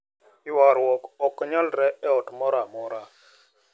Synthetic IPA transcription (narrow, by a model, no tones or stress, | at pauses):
ɪwaɾwɔkɔkːɲalɾɛɛɔtmɔɾamɔɾa